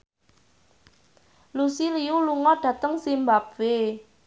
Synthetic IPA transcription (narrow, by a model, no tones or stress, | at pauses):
lusiliuluŋɔɖ̥ä̤t̪əŋsimbapve